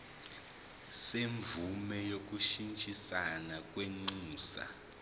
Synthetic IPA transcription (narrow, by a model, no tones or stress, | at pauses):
seɱvumɛjok̬uʃint͡ʃʼisanak̬ʼweŋ͡ǀuːsa̰